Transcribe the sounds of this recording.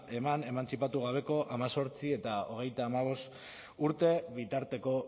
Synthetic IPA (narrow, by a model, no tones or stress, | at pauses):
e̞mane̞mant͡sipat̪uɣ̞aβ̞e̞ko̞ʔamaso̞ɾt͡siet̪ao̞̰ɣ̞e̞jt̪aːmaβ̞o̞st̪ | uɾt̪e̞βit̪aɾt̪e̞ko̞